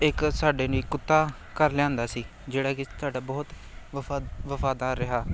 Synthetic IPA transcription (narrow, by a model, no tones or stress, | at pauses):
ɪksaːɖeːniːkʊt̪ːaː | kəɾlɪãːnd̪aːsiː | d͡ʒeːɽaːkɪt̪aːɖaːbɔːt̪ː | ʋəfaːd̪aːɾːɪɦaː